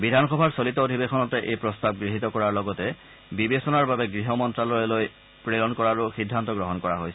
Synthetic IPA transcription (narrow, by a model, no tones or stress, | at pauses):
bidʱanxɔbʱaɹsolitɔodʱibexɔnɔtɛʔejpɹɔstab̚ɡɹiɦitɔkɔɹaɹlɔɡɔtɛ | bibesɔnaɹbabɛɡɹiɦɔmɔntɹalɔjɛloj | pɹeɹɔnkɔɹaɹuxidʱːantɔɡɹɔɦɔnkɔɹaɦojsɛ